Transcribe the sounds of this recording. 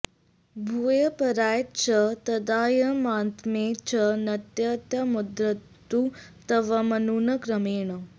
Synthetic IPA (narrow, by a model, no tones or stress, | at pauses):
bʱuːjɐpɐɾaːjt͡ɕɐt̪ɐd̪aːjɐmaːnt̪meːt͡ɕɐnɐt̪jɐt̪jɐmud̪ɾɐt̪ːut̪ɐʋɐmɐnuːnɐkɾɐmeːɳə